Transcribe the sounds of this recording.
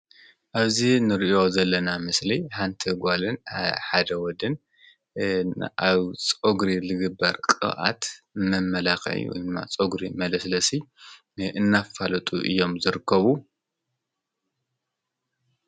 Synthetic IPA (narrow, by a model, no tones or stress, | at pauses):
ʔaβzinɨɾiʔo̞zɐlːɐnamɨsliħant̪ʰɐɡʷalɨnħad̪ɐwɔd̪ɨn | ʔaβt͡sʼoɡɾilɨɡɨbːɐɾkʼɨ̰ʔa̰t̪mɐmɐlakɐ̰ʕḭwɔ̰jd̪ɨmːa̰t͡sʼoɡɾimɐlɐslɐsi | ɨnːafalt̪ʼṵʔɨ̰jːo̞mzɨɾɨkːɐβu